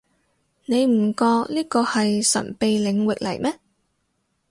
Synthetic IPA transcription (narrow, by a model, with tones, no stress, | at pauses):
ne˨˧jm̩˨˩kɔː˧k̚liː˥kɔː˧hɐ˨jsɐ̰˨˩npe˨jlɪ˨˧ŋwɪ˨k̚lɐ̰˨˩jmɛː˥